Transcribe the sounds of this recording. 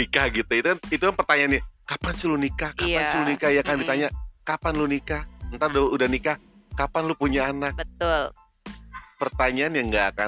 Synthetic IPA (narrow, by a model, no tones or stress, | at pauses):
ikahɡit̪uit̪ukanit̪ukanpərt̪aɲaːnjakapansilunikakapansəlunikajakandit̪aɲakapanlunikaənt̪ardoudanika | kapanlupuɲaːnak̚bət̪ʊl | pərt̪aɲaanjaŋɡaːka̰